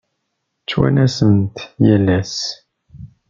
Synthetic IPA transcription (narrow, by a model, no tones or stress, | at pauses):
t͡ʃːwæ̰næsənt̪jælːæs